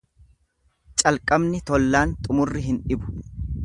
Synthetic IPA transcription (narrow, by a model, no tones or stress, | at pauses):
t͡ʃʼɐlkʼɐbnɪt̪ɔlːaːnt̪ʼʊmʊrːɪɦɪnᶑɪbʊ̥